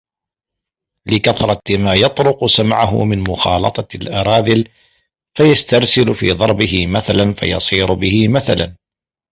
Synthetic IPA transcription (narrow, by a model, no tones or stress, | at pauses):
lɪkaθɾˤɑt̪maːjɑt̪ˤɾʊqsamʕaɦʊ̰mɪnmʊxɑ̰ːlɑ̰t̪ˤɑlʔɑɾˤɑːðɪl | fajast̪ɑɾˤsɪlfḭːðˤɑɾˤbɪɦɪmaθalanfa̰jɑ̰sˤiːɾʊbɪhɪmaθala̰n